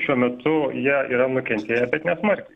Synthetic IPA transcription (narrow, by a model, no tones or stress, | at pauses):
ʃʲuɔmʲɛt̪ʊjiɛḭːɾɐnʊkʲɛnʲt̪ʲeːjɛbʲɛt̪nʲɛsmɐɾʲkʲɛɪ